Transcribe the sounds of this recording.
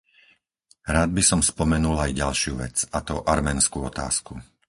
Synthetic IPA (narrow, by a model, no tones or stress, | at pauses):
ɾaːd̪̚bisɔmspɔmɛnulajɟalʃɪuʋɛ̰t͡sat̪ɔʔaɾmɛːnskuːɔt̪a̰ːsku